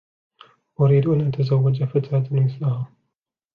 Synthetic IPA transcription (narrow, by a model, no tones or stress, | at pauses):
ʔʊɾiːd̪uʔanʔat̪ʰɐzɐwːad͡ʒafɐt̪ad̪nmɪθlaɦa